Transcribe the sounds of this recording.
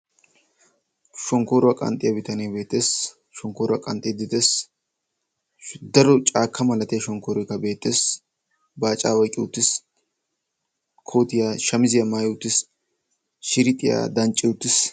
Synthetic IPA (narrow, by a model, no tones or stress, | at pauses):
ʃɔŋkoːɾʊwɐkʼɐ̰nt̪ʼɪjɐbɪt̪ɐnejbe̞ːt̪ːeːs | ʃɔŋkoːɾʊɐkʼɐnt̪ʼɪd̪ɪt̪eːs | d̪ɐɾɔt͡ʃʼaːkʰːɐmɐlɐt̪ɪjɐʃɔŋkoːɾɔjkːɐbe̞ːt̪ːeːs | baːt͡ʃʼːaːwɐjkʼɪʊt̪ːɪs | kʰoːt̪ɪjaʃɐmɪzɪjɐmaːjʊt̪ːɪs | ʃɪɾɪt̪ʼːɪja̰d̪ɐnt͡ʃʼːɪʊt̪ːɪs